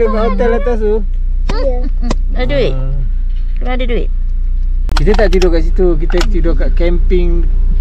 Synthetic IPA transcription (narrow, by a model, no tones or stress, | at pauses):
əbahat̪alat̪as̬u | aduɪʔ̚ | kənãdiduɪt̪̚ | kit̪ət̪aʔt̪idɔkaʔsit̪uk̬it̪ət̪idɔkaʔkɛmpɪŋ